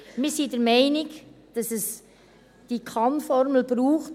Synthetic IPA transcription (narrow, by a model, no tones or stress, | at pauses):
mɪɾsidəɾmɛɪnɪk | d̥ɑsɛs | d̥ikʰɑnfɔɾml̩b̥ɾuːχt